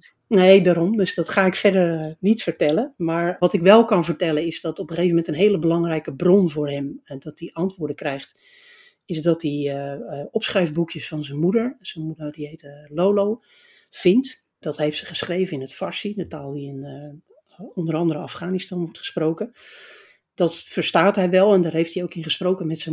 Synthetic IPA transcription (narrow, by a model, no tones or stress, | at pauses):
nejdaːɾɔmdɵsdɑtχaːɪkfɛdəɹnitfəɹtɛləmaːɹʋɑtɪkʋɛlˠkɑnvəɹtɛlˠənɪzdɑtɔpəχejvəmɛntənɦeːləbəlɑŋrɛjkəbrɔnvʊːrɦɛmdɑtiʔɑntʋʊːɹdəkrɛjχt | ɪzdɑti | ɔpsχrɛjvbukjəsfɑnzənmudəɹz̥ənmudəɹdiɦejtlolow | v̥ɪnt | d̥ɑtɦejftsəχəsχrejvənɪnətfɑɹsindətaːlˠdiɪn | ɔndərɑndəɾəɑfχaːnistɑnʋɔɹtχə̥sprowkə | d̥ɑtfəɹstaːtɦɛjʋɛlˠɛndaːɹɦejftiowkɪnχəsprowkəmɛtsə